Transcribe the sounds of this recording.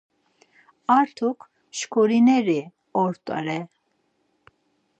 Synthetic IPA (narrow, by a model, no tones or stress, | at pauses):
aɾt̪ʰukʰ | ʃkʰɔɾinɛɾi | ɔɾt̪ʼa̰ɾɛ